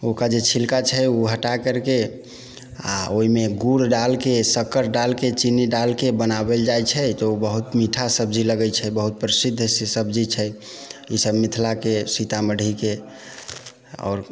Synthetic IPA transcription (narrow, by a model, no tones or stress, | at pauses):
okad͡ʒet͡ʃʰilkat͡ʃʰɛuɦəʈakəɾke | a̰oimeɡuɽɖalkesəkəɾɖalket͡ʃiniɖalkebənabeld͡ʒajt͡ʃʰɛt̪ɔubəɦut̪miʈʰasəb̚d͡ʒiləɡət͡ʃʰɛbəɦut̪̚pɾəsid̪ʱːssəbd͡ʒit͡ʃʰɛ | isəbmit̪ʰlakesit̪aməɽʱike | ɔ̰ːɾ